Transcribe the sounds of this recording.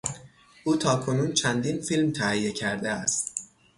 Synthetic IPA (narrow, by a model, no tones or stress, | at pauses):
ʔuːt̪ʰɒːkʰo̞nuːnt͡ʃʰænd̪iːnfilmt̪ʰæhijecʰæɾd̪eæst̪